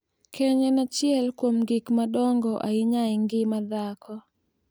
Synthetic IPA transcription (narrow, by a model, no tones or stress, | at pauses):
kʰɛɲɔnat͡ʃjɛlkwomɡɪkmadɔŋɡɔʔaɪɲaɪŋɡɪmad̪akʰɔ